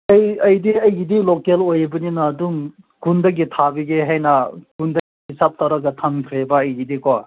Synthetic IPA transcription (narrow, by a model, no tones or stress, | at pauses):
ɐjɐjdiɐjɡidilokelojɐbɐninaːduŋ | kundɐɡitʰabiɡeɦajnɐɡundɐɡiɦisap̚tʰawɾaɡɐtʰaŋkʰɾebɐːjɡidiko